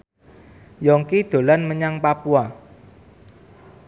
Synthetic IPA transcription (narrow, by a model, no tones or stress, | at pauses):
jɔŋkid̪̥o̤lanməɲaŋpapua